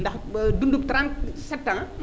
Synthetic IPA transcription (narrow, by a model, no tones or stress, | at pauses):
ndɐxdundup̚tɾãntsɛp̚tãm